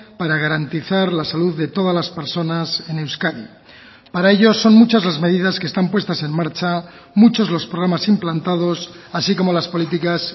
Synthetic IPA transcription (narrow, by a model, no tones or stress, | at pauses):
paɾaɣ̞aɾant̪iθaɾlasaluðːet̪o̞ð̞azlaspe̞ɾso̞nase̞ne̞wskaðḭ | paɾae̞ʎo̞so̞nmut͡ʃazlazme̞ð̞iðaskest̪ampwe̞st̪ase̞nmaɾt͡ʃa | mut͡ʃo̞zlo̞spɾoɣ̞ɾamasimplant̪að̞o̞s | asiko̞mo̞laspo̞lit̪̬ikas